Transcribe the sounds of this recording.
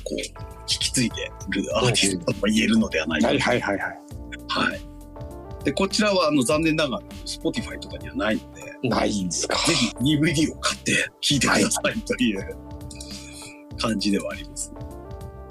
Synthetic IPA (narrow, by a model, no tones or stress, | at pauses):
ko̞̰ː | çʲi̥kʲi̥t͡sɨit̪e̞ɾɯ̟aːt̪est̪omaie̞ɾɯ̟no̞d̪e̞βana̰ḭaaihajhaiha̰i | d̪̥e̞ko̞t͡ɕiɾaβaːno̞zãnːẽ̞nːaɡaɾosɨ̥po̞t̪ʲiɸait̪o̞kaɲiβanaino̞d̪e̞na̰ind̪eskḁze̞çinʲibɯ̟d̪ʲiːo̞kat̪ːe̞kʲʰiːt̪e̞kɯd̪asait̪o̞jɯ̟ | kãɲ̟d͡ʑid̪e̞βaːɾʲimasɨ̥n